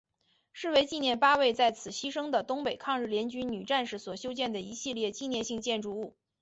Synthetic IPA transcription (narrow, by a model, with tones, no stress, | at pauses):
ʂɻ̩˥˩we˧˥ɪt͡ɕi˥˧njɛ˥˩npa˥we˥˧ɪt͡sa˥˩ɪt͡sʰɹ̩˨˩ɕi˥ʂɤ˥ŋd̪ə˨t̪ʊ˥ŋpe˨˩ɪkʰɑ˥˧ŋɻ̩˥˩ljɛ˧˥nt͡ɕy˥nny˨˩ʈ͡ʂa˥˧nʂɻ̩˥˩swɔ˨˩ɕjo˥ʊt͡ɕjɛ˥˩nd̪ə˩i˧˥ɕi˥˧ljɛ˥˧t͡ɕi˥˧njɛ˥˧nɕi˥˧ŋt͡ɕjɛ˥˧nʈ͡ʂu˥˧u˥˩